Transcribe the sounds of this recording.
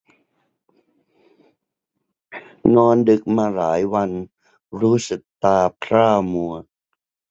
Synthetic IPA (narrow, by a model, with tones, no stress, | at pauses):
nɔː˧ndɯ˨˩k̚maː˧ɾaː˩˦jwa˧n | ɾuː˦˥sɯ˨˩k̚t̪aː˧pʰɾaː˥˩mu˧ɐ